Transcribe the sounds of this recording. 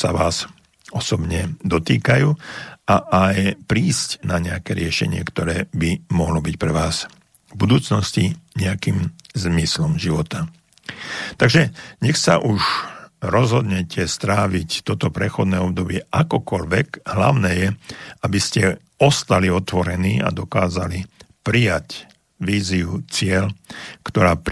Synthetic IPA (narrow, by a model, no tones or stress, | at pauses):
sa̰ʋaːz | ɔsɔbɲɛd̪ɔt̪ḭːkajuːaʔajpɾiːscnaɲɛakɛːɾɪɛʃɛ̰ɲɪɛ̰kt̪ɔɾɛːbimɔɦlɔbicpɾɛʋaːz | vbud̪uːt͡snɔsciɲɛakiːmzmislɔmʒiʋɔt̪a | t̪aɡʒɛɲɛxsa̰ʔuʒɾɔzɦɔd̪ɲɛcʰɛst̪ɾaːʋict̪ɔt̪ɔpɾɛxɔd̪nɛːɔb̚d̪ɔbɪɛʔakɔkɔʎʋɛɡɦla̰ʊnɛːjɛabiscɛ | ɔst̪aliɔt̪ʋɔɾɛniːa̰d̪ɔkaːzali | pɾijac | ʋiːziut͡sɪɛlkt̪ɔɾaːp